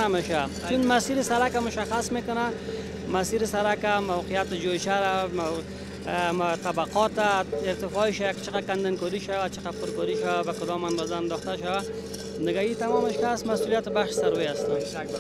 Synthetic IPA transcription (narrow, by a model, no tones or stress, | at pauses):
ameʃa | t͡ʃunmasiɾɪsaɾakamʊʃaxasmekʊna | masiɾɪsaɾakamawqɪjat̪ɪd͡ʒojt͡ʃaɾam | t̪abaqɔt̪aɪɾt̪ɪfɔiʃajakɪ̥t͡ʃɪqakand̪ɪnkɔɾiʃawat͡ʃɪqapʊɾkɔɾiʃawabakʊd̪ɔmand̪ɔzaand̪ɔxt̪aʃawa | nɪɡait̪amɔmɪʃkasmasulijat̪ɪbaxʃɪ̥saɾweast̪am